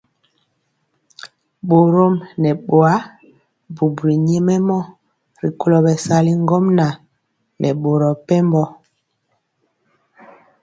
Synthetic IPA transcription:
ɓo˨ɾo˦mnɛ˨ɓo˨a˦ | bu˨bɾi˨ɲɛ˦mɛ˦mɔ˦ | ɾi˨ko˦lɔ˨bɛ˨sa˦li˦ŋ˦ɡɔ˦mna˨ | nʔɛ˨ɓo˨ɾɔ˨pɛ˦mbɔ˦

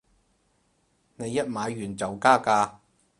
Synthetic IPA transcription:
ne˨˧jːɐ˥t̚maː˨˧jɥyː˨˩nt͡sɐ˨wkaː˥kaː˧

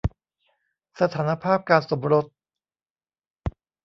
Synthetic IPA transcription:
sa˧t̪ʰaː˩˦na˧pʰaː˥˩p̚kaː˧nso˩˦mɾo˦˥t̪̚

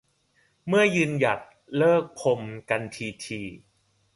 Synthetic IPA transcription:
mɯ˥˩ɐjɯː˧nja˨˩t̪̚ | lɤː˥˩k̚pʰo˧mka˧nt̪ʰiː˧t̪ʰiː˧

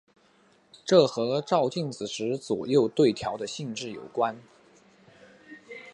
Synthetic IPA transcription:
ʈ͡ʂɤ˥˩xɤ˧˥ʈ͡ʂɑ˥˧ʊt͡ɕi˥˩ŋt͡sɹ̩˨˩ʂɻ̩˧˥t͡swɔ̰˨˩jo˥˧ʊt̪we˥˩ɪt̪ʰjɑ˧˥ʊd̪ə˧ɕi˥˧ŋʈ͡ʂɻ̩˥˩jo˨˩ʊkwa˥n

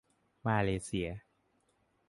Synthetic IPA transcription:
maː˧leː˧˦si˧˩˦ɐ˦

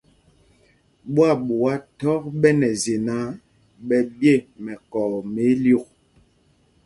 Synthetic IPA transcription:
ɓwa˦˨ɓu˨wa˦tɔ˦k̚ɓɛ˦nɛ˨ze˨na˦ | ɓɛ˨bje˦˨mɛ˨kɔː˨me˨˦ljo˦˨k̚

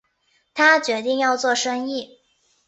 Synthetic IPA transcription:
t̪ʰa˥t͡ɕɥɛ˧˥t̪i˥˧ŋjɑ˥˧ʊt͡swɔ˥˩ʂɤ˥ŋi˥˩

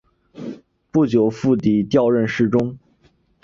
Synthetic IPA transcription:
pu˥˩t͡ɕjo˨˩ʊfu˥˩t̪i˨˩t̪jɑ˥˧ʊɻə˥˧nʂɻ̩˥˩ʈ͡ʂʊ˥ŋ

